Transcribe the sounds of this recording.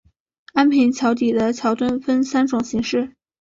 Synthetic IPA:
a˥npʰi˧˥nt͡ɕʰjɑ˧˥ʊt̪i˨˩d̪ə˦t͡ɕʰjɑ˧˥ʊt̪ə˥nfə˥nsa˥nʈ͡ʂʊ˨˩ŋɕi˧˥ŋʂɻ̩˥˩

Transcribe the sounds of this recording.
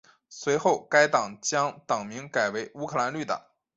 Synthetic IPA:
swe˧˥ɪxo˥˩ʊka˥ɪt̪ɑ˨˩ŋt͡ɕjɑ˥ŋt̪ɑ˨˩ŋmi˧˥ŋka˨˩ɪwe˧˥ɪu˥kʰɤ˥˩la˧˥nly˥˩t̪ə̰˨˩˦ŋ

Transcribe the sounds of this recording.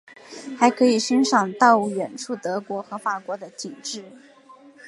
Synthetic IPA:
xa˧˥ɪkʰɤ˧˥i˨˩ɕi˥ŋʂɑ˨˩ŋt̪ɑ˥˩ʊu˧˩ɥɛ˨˩nʈ͡ʂʰu˥˩t̪ɤ˧˥kwɔ˧˥xɤ˧˥fa˨˩kwɔ˧˥d̪ə˧t̪ʰi˨˩ŋʈ͡ʂɻ̩˥˩

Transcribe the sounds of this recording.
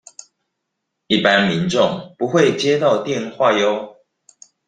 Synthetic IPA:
i˥˩pa˦nmi˨˦nʈ͡ʂʊ˥˨ŋpu˨˦xwe˥˨ɪt͡ɕjɛ˦t̪ɑ˥˨ʊt̪jɛ˥˨nxwa˥˨jo˦ʊ

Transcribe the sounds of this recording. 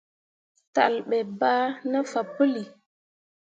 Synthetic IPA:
ta̰˨lɓɛ˨ba˦nə˦fa˨pə˦li˨

